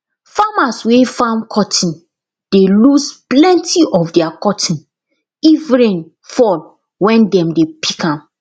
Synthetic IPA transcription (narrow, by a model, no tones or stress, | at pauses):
famaswefãnkʰɔtʰĩn | d̥elusplɛ̃ntiʔɔfdɛakɔtʰĩn | ivɹẽn | fɔl | wɛ̃ndɛ̃mdepʰikãm